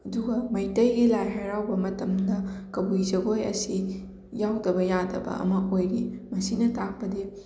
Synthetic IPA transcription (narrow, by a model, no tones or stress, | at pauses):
ɐduɡɐmɐjtɐjɡilajɦajɾawbɐmɐtɐmdɐkɐbujd͡ʒɐɡojɐ̰si | jawdɐbɐjadɐbɐ̰ɐ̰mɐʔojɾimɐsinɐtak̚pɐdi